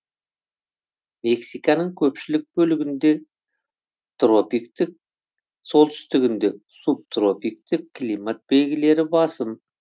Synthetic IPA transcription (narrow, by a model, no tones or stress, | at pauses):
me̞ksijkɑnəŋkʲʰɵpʃɪlɪk̚b̥ɵlɪɡʲɪnd̪e̞ | t̪ro̞pikt̪ɪk̚ | so̞lˠt̪ʰʏ̥st̪ɪɡʲɪnd̪e̞ | sup̚t̪ro̞pikt̪ɪkːlimat̪̚be̞lɡʲɪle̞ɾɪbɑsəm